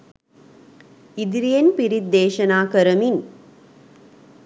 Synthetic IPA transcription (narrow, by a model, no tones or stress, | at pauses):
id̪ɾijɐnpiɾid̪ːeːʃɐnaːkɐɾɐmin